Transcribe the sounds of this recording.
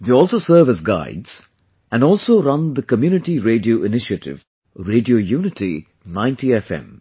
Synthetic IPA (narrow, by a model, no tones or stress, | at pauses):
ðeɔːlˠsoːsəɾʋæzɡa̰ɪdz̥ | æ̃nɖɔːlsoːɾʌ̃nd̪əkəmjuːnɪʈiɾeːɖioːʔɪnɪʃətɪ̰ʋ | ɾeːɖioːjuːnɪti | nãɪ̃ntiɛfɛ̰̃m